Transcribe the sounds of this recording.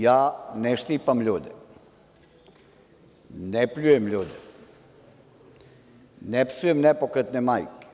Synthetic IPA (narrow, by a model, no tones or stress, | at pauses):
jaːnɛʃt̪ipamʎuːd̪ɛ̰ | nɛpʎujemʎuːd̪ɛ | nɛpsujemnɛpokɾet̪nɛmaːjke̥